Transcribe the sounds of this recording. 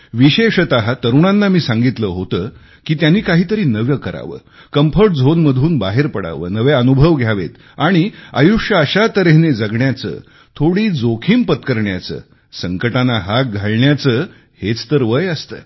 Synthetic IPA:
ʋiɕeʂət̪aɦat̪əɾuɽ̃ãnːamiːsãŋɡit̪ləɦot̪ə | kiːt̪janːiːkaɦiːt̪əɾiːnəʋjəkəɾa̰ʋə̰ː | kəmpʰəʈ̚d͡zʱonməd̪ʱuːnbaɦeɾpəɽa̰ʋə̰ːnəʋeənubʱəʋɡʱjaʋḛt̪ | aɽ̃ia̰juʂjəəɕat̪əɾeɦned͡zəɡɳjat͡sə̰ː | t̪ʰoɽiːd͡zokʰiːmpət̪kəɾɳja̰t͡sə̰ː | səŋkəʈanaɦak̚ɡʱaɭɳjat͡səː | het͡st̪əɾʋəjəst̪ə̰ː

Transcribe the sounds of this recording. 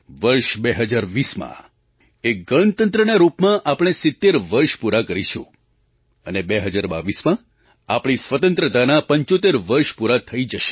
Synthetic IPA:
ʋəɾʃbeɦəd͡ʒaɾʋismã̰ | eɡəɳnt̪ənt̪ɾənaɾupmãʔapɽ̃esɪt̪ːeɾʋəɾʃpuɾakəɾiʃṵ̃ | ənebeɦəd͡ʒaɾba̰ʋismã | a̰pɽ̃isʋət̪ənt̪ɾət̪anapəɲt͡ʃot̪eɾʋəɾʃpuɾat̪ʰəid͡ʒəʃe̥

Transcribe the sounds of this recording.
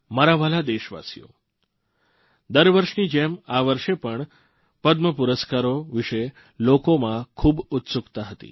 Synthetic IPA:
məɾaʋalad̪eʃʋa̰sijo̰ | d̪əɾʋəɾʂniːd͡ʒemaʋəɾʂepəɳ | pəd̪məpuɾəskaɾoʋiʂe | lokomãkʰuːbut̪sukt̪aɦət̪ḭː

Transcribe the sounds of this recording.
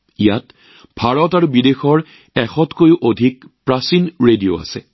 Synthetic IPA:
ijat | bʱaɹɔtaɹubidexɔɹ | ɛxɔtkojuʔodʱik̚pɹasinɹedio̰a̰sɛ̰

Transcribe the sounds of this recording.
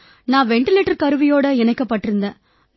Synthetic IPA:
nãːʋɛɳʈɪleːʈːɐɾkɐɾɯʋɪjoːɽɐɛnɐɪkːɐpːɐʈːɪɾɯnd̪ẽː

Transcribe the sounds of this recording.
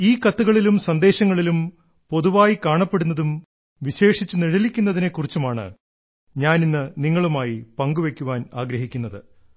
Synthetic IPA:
iːkɐt̪ːuɣɐɭilumsɐnd̪e̞ːɕɐŋːɐɭilum | po̞ðuʋaːjikaːɳɐpːe̞ɽunːɐðum | ʋiɕe̞ːʂit͡ɕːuniɻilikʲːunːɐðinekːurit͡ɕːumaːɳɨ̰ | ɲaːninːɨniŋːɐɭumaːjipɐŋɡuʋe̞kʲːuʋaːnaːɡɾɐɦikʲːunːɐðɨ

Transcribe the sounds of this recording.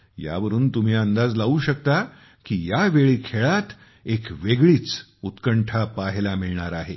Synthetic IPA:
ja̰ʋəɾuːnt̪um̤iːənd̪ad͡zlaʋuːɕəkt̪a | kiːjaʋeɭiːkʰeɭat̪ | ekʋeɡɭiːt͡s | ut̪kəɳʈʰapaɦlamiɭɳaɾaɦe

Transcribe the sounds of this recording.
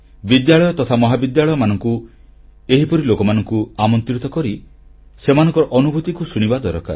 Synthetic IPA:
bid̪jaɭɔjɔt̪ɔt̪ʰamɔɦabid̪jaɭɔjɔmanɔŋku | eɦipɔɾilokɔmanɔŋkuamɔnt̪ɾit̪ɔkɔɾisemanɔ̃ŋkɔɾɔʔɔnubʱut̪ikusuɽ̃ibad̪ɔɾɔka̰ɾ

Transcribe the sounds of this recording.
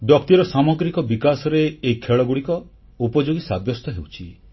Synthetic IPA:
b̪jɔk̚t̪iɔɾɔsamɔɡɾikɔbikasɔɾeːikʰeɭɔɡuɽikɔ | upɔd͡ʒoɡisa̰bjɔst̪ɔɦewt͡ʃʰi

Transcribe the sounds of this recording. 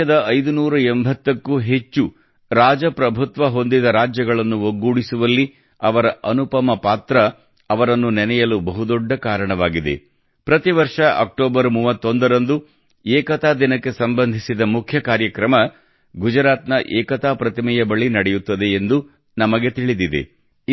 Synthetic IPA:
ɐd̪ɐɐjd̪unuːɾɐembʱɐt̪ːɐkːuɦe̞t͡ʃːu | ɾaːd͡ʒɐpɾɐbʱut̪ʋɐɦo̞nd̪id̪ɐɾaːd͡ʒjɐɡɐɭɐnːuoɡːuːɽisuʋɐlːi | ɐʋɐɾɐʔɐnupɐmɐpaːt̪ɾɐː | ʋɐɾɐnːunɛnɛjɐlubɐɦud̪ɔɖːɐkaːɾɐɳɐʋaːɡid̪e̞̰ | pɾɐt̪iʋɐɾʂɐʔɐ̰k̚ʈoːbɐɾmuːʋɐt̪ːo̞nd̪ɐɾɐnd̪u | eːkɐt̪aːd̪inɐkːe̞sɐmbɐnd̪ʱisid̪ɐmukʰjɐkaːɾjɐkɾɐmɐ | ɡud͡ʒɐɾaːt̪nɐʔɛːkɐt̪aːpɾɐt̪imɛjɐbɐɭinɐɽɛjut̪ːɐd̪e̞ːnd̪u | nɐmɐɡe̞t̪iɭid̪id̪e̞̰

